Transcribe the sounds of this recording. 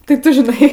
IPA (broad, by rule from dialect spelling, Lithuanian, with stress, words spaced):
tʲɪ ˈtʊ ʒʲɪˈnɐɪ